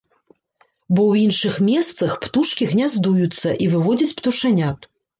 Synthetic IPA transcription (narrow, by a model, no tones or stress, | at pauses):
bɔwinʂɨxmʲɛst̪sɐxpt̪uʂkʲiɣnʲazd̪ujut̪sːɐʔivɨvɔd͡zʲɐt͡sʲpt̪uʂanʲat̪